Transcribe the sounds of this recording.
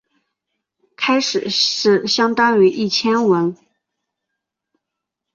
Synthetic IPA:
kʰa˥ɪʂɻ̩˨˩ʂɻ̩˥˩ɕjɑ˥ŋt̪ɑ˥ŋy˧˥ʔi˥˩t͡ɕʰjɛ˥nwə˧˥n

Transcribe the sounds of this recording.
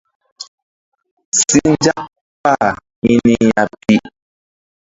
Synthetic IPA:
ssi˦n˦d͡ʒa˦ʔ | pa˦˨ | mi˦ni˦ja˨pi˦ʔ

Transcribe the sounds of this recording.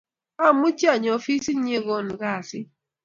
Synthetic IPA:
a˦˨mʊ˦t͡ʃi˦a˨ɲ˨o˦fi˦si˦n̩˦ɲe˦ɣo˦˨nʊ˨ɣa˦a˨sɪ˦

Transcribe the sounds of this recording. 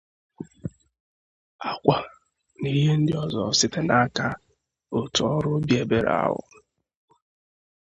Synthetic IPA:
a˦kʷa˨ | ni˦ɦe˦n̩˦dɪ˦ɔ˦zɔ̰˨sɪ˦te˦na˦ka˦ | o˨tu˨ɔ˦ɾʊ˦bje˨be˨ɾ̰a̰˦ɦʊ̰˨

